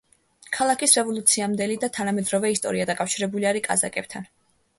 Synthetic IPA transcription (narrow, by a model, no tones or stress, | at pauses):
kʰalˠakʰisɾɛvɔlˠut̪sʰiamd̪ɛlid̪at̪ʰanamɛd̪ɾɔvɛist̪ʼɔ̰ɾiad̪akʼafʃiɾɛbuliaɾikʼa̰za̰kʼɛb̥̚t̪ʰan